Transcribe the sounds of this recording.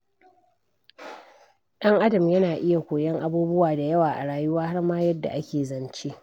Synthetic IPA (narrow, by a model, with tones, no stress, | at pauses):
ɗɐ˦ŋʔa˦dɐ˨mjɐ˦naː˨ʔɪ˦ja˨kʷoː˨jɐ˦ŋʔa˦buː˦bʊ˦waː˨da˨jɐ˦waː˨ʔa˨ɽaː˨jʊ˦waː˦ha˦ɽmaː˦jɐ˦dːa̰˨ʔa˦kʲeː˨zɐ˨nt͡ʃeː˦ʔ